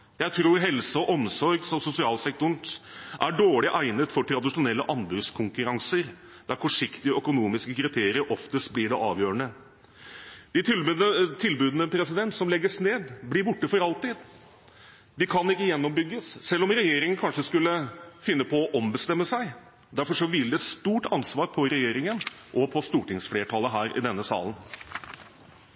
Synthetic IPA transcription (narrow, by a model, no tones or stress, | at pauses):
jæɪt̪ʰɾuːɾɦɛlsəɔʔɔmsɔɾɡsɔmsʊsɪɑːlsɛkt̪ʊɳ̩ʔæɖoːɭɪʔæɪnət̪fɔʈʰɾɑd̪ɪʂʊnɛlːəʔɑnbʉskʰʊŋkʉɾɑŋsəɾ | d̪̥æɾfɔʂɪkt̪ɪəœkʊnuːmɪskəkʰɾɪt̪ʰeːɾɪəɾʔɔft̪əst̪blɪɖɛʔɑːʋjøːɾəɳə | d̪̥ɪt̪t̪ʰɪlbʉːd̪ənəpʰɾɛsɪd̪ɛnt̪sɔmlɛɡːəsneːd̪blɪɾbʊʈːəfɔɾɑlt̪ɪːd̪ | d̪ɪkʰɑnɪkːəjɛnːɔmbʏɡːəssɛlːɔmɾɛjeːɾɪŋənkʰɑnʂəskʉlːəfɪnːəpʰɔɔʔɔmbəst̪ɛmːəsæɪ | d̪æɾfɔʂɔʋɪld̪ɛst̪uːʈɑnsʋɑːɾpʰɔɾɛjeːɾɪŋən | ʔɔpʰɔst̪uːʈɪŋsfleːʈʰɑləɦæːɾʔɪ̰d̪ɛnːəsɑ̰ːlən̩